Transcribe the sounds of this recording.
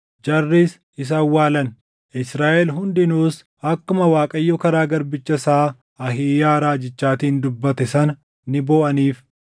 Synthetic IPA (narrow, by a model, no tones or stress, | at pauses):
d͡ʒɐrːiːs | ɪs̬ɐwːaːlɐn | ɪsɾaːʔɛlɦʊnd̪ɪnuːs | ɐkːʊmɐwaːkʼɐjːɔːkɐɾaːɡɐɾbɪt͡ʃːɐsaː | ɐhiːjaːɾaːd͡ʒɪt͡ʃːaːt̪iːnd̪ʊbːɐt̪ɛsɐnɐ | nɪboːʔɐniːf